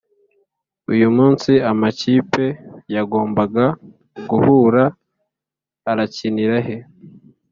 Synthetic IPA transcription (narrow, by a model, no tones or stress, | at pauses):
ujumuːnsiamaciːpe̞jaɡo̞ːmbaɡa | ɡuhuːɾa | ɾaciniɾahe